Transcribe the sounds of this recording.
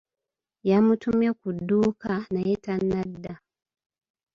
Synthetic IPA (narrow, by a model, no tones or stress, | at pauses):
jamutumjekudːuːkanajetanːadːa